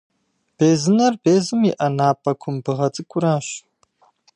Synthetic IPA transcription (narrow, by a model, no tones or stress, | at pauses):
b̥eːzɨnɐrbeːzɨmiʔɐnaːpʰʼɐkʷʰʊmbɨʁɐt͡sʼɨkʷʰʼʊɾaːɕ